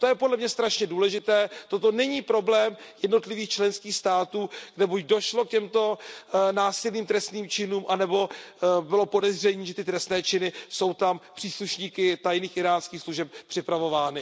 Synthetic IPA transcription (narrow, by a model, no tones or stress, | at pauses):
t̪ojɛpo̞dlɛmɲɛst̪ɾaʃɲɛduːlɛʒɪt̪ɛːt̪ot̪o̞nɛɲiːpɾo̞blɛːmjɛdno̞t̪lɪviːxt͡ʃlɛnskiːxst̪aːt̪uːɡ̥dɛbucdo̞ʃlo̞kcɛmt̪o̞naːsɪlniːmt̪ɾɛst̪niːmt͡ʃɪnuːmʔanɛbo̞bɪlo̞po̞dɛzr̝ɛɲiːʒɛt̪ɪt̪ɾɛst̪nɛːt͡ʃɪnɪso̞wt̪ampr̥iːsluʃɲiːkɪt̪ajniːxʔɪɾaːnskiːxsluʒɛp̚pr̝̥ɪpɾavo̞vaːnɪ